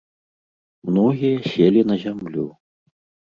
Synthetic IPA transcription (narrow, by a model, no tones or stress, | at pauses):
mnɔɣʲijɐsʲelʲinɐzʲamlʲu